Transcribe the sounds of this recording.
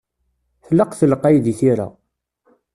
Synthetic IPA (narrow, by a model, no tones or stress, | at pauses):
θlːəqθələqːajðiθiɾa̰